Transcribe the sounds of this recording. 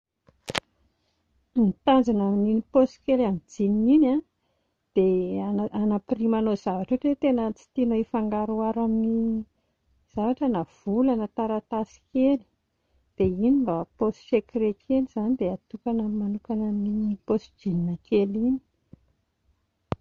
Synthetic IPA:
mit̪and͡zanamininiposi̥kelamid͡zinina | d̪̥eanapirimanoz̥avaʈ͡ʂeʈ͡ʂet̪enət͡si̥t̪inoifaŋɡaɾuaɾamini | z̥avaʈ͡ʂənav̥ulanət̪aɾat̪asi̥keli̥ | d̪̥einimbaposi̥ʃekirekʰeliz̥anid̪eat̪ukanamanukanamininiposd͡ʒininakelini̥

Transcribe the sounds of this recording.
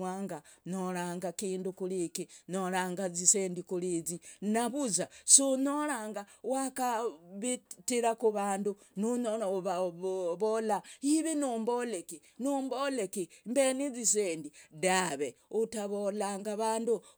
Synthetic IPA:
aːŋɡanoɾaŋɡakiːndukulikinoɾaːŋɡaziseːndikulizinaβuzasonoɾaŋɡawakaβitiɾakuβaːndu | nuɲoβaβolaiβinumboleki | numbolekimbeniziseːndidaβeutaβolaŋɡaβaːndu

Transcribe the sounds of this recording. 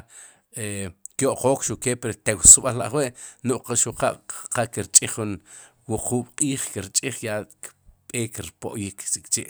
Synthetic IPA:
ekjoʔqoːkʃuʔkepɾt̪ewsɓallaʔχweʔnoʔqaʃuqa̰ʔqakiɾt͡ʃʼiχːun | wuqʰuːɓ̥qʼiːχkiɾt͡ʃʼiχjakɓʼeːkɾpo̰ʔjiksikt͡ʃiʔ

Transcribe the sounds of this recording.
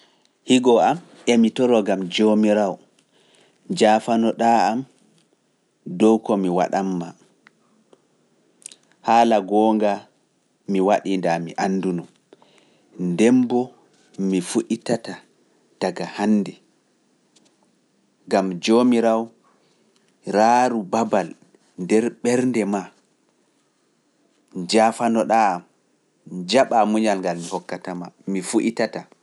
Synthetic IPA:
hiɡɔʔam | ʔɛmitɔɾɔɡamd͡ʒomiɾaw | d͡ʒaːfanɔɗaam | dɔwkɔmiwa̰ɗamːa | haːlaɡɔːŋɡa | miwaɗindamḭʔanːdunum | ndɛmbɔ | mifuʔitata | d̥aɡahanːdɛ | ɡamd͡ʒomiɾaw | ɾaːɾubabal | ndɛɾɓɛɾndɛma | d͡ʒafanɔɗam | d͡ʒaɓamuɲalŋɡalmihɔkːatamamifuʔitata

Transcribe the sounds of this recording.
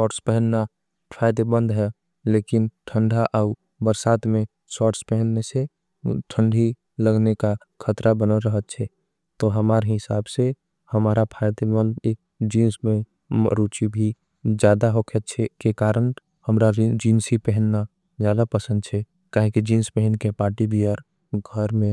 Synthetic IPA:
sɔːʈspɛɦənna | pʰaɪd̪ebə̃nd̪ɦɛ | lekinʈʰəɳɖʱaʔaʊ | bəɾsaːt̪mẽ | sɔːʈspɛɦənnese | ʈʰəɳɖʱi | ləɡneka | kʰət̪ɾabənəlɾəɦət̪̚t͡ʃʰɛ | t̪ɔɦəmaːɾeɦɪsaːbse | həmaːɾapʰaɪd̪emən | d͡ʒĩːnsme | ɾut͡ʃibʱi | d͡ʒjaːd̪aɦokʰət̪̚t͡ʃʰɛkekaːɾən | həmɾad͡ʒinsipɛɦənːa | d͡ʒjaːd̪apəsənd̪̚t͡ʃʰɛ | kaːɦĩkid͡ʒĩːnspɛɦənkepaːɾʈibʱiəɾ | ɡʱəɾmẽ

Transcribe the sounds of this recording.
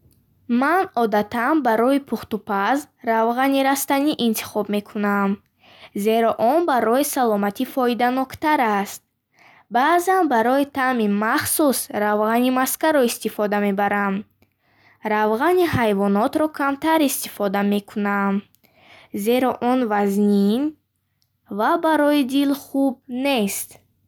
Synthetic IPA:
manɔd̪at̪ʰanbaɾɔipʰuχt̪upʰaz | ɾavʁaniɾast̪aniʔint̪ʰi̥χɔbme̞kʰunam | ze̞ɾɔʔɔnbaɾɔisalɔmat̪ʰifɔid̪anɔkt̪aɾast̪̚ | baːzanbaɾɔit̪ʰamimaχsusɾavʁanimaskaɾɔist̪ifɔd̪ame̞baɾam | ɾavʁaniɦajvɔnɔt̪ɾɔkʰamt̪ʰaɾist̪i̥fɔd̪ame̞kʰunam | ze̞ɾɔʔɔnvaznin | vabaɾɔid̪ilχub̚ne̞st̪

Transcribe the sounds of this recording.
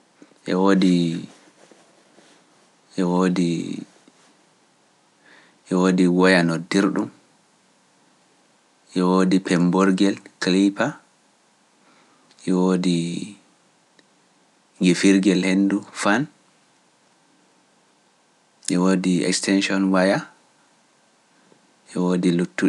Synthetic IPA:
ʔɛwodi | ʔɛwoːdi | ʔɛwoːdiwɔjanɔdiɾɗum | ʔɛwodipɛmbɔɾɡɛlklipa | ʔɛwodi | ɡifiɾɡɛlhendufan | ʔɛwoːdiɛ̰kstɛnʃiɔnwaja | ʔɛwodilutːu

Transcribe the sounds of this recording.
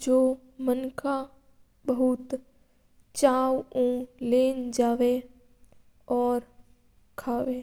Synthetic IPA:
d͡ʒoː | mənkʰa | bəɦʊt̪ | t͡ʃaːwũleːnd͡ʒaːʋe | ɔːɾ | kʰaːʋeː

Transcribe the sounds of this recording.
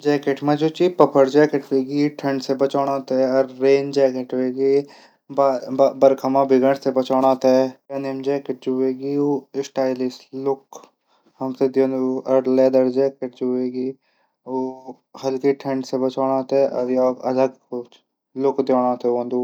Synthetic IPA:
d͡ʒɛːkeʈmẽd͡ʒuːt͡ʃipɐpʰəɾd͡ʒɛːkeʈʋeːɡiʈʰəɳɖsebɐt͡ʃaːɽ̃ãːt̪eɔɾːeːnd͡ʒɛːkeʈʋeːɡi | baːbɐɾkʰɐmãbɪɡəɳsebɐt͡ʃaːɽ̃ãːt̪ɛɾenemd͡ʒɛːkeʈ̚d͡ʒuʋeːɡioːɪsʈaːɪlislʊk | hɐmsed̪oːnd̪uɐɽled̪əɾd͡ʒɛːkeʈd͡ʒueːɡiː | oː | hɐlkiʈʰɐɳɖsebɐt͡ʃaːɽ̃ãːt̪eʔɐɾjoːkɐləɡk | lʊkd̪joːɽãt̪eõnd̪uː

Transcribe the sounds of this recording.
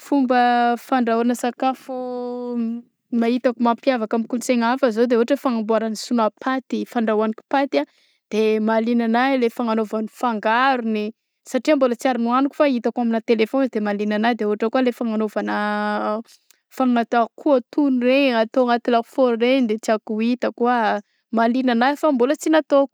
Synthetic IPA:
fumbəfaɳɖ͡ʐaanəsakafu | mait̪akumampjavakamikult͡seŋafəzod̪eoɦaʈ͡ʂəfaŋambuaɾanisunapʰat̪ifaɳɖ͡ʐawaniku̥pat̪a | d̪̥emalinanajlefaŋanovanifaŋɡaɾuni | saʈ͡ʂiambolət͡siaɾinuanuku̥fait̪akwaminat̪elefond̪emalinanad̪eoaʈ͡ʂəkualefaŋanovanə | faŋat̪akʰuat̪unireat̪oŋat̪ilau̥foɾrend̪et͡siakuit̪akua | malinanafambolət͡sinat̪ok

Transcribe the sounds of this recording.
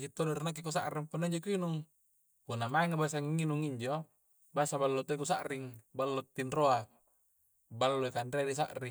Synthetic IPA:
d͡ʒit̪ːonoɾinak̬ːikusaʔɾimpunːaiɲd͡ʒokuinuŋ | kunamaiŋabas̬aŋinuŋiɲd͡ʒo | basabalːot̪oikusaʔriŋbalːot̪ːinroa | balːoikandeaɾis̬a̰ʔri

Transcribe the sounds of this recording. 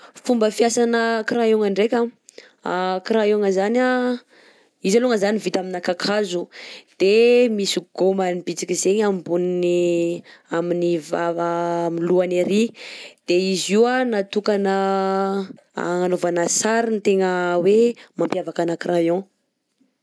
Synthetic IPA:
fumbəfjasanəkɾajoŋaɳɖ͡ʐekʲa | akɾajoŋəzana | izaluŋəzanivit̪aminakakʰazud̪̥emisiɡ̥omanibit͡sikʲizeɲamimbunini | aminivavamiluaneɾid̪̥eiziwanat̪ukanə | a̰ŋanovanasaɾint̪eŋəwemãmpjavakanakrʔajõ

